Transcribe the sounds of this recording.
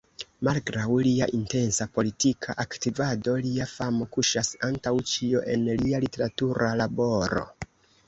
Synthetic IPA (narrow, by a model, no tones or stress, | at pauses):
malɡɾawlia̰ʔinte̞nsapo̞litikʰaʔaktivado̞liafamo̞kuʃasantawt͡ʃio̞ʔe̞nlialite̞ɾatuɾalabo̞ɾo̞̰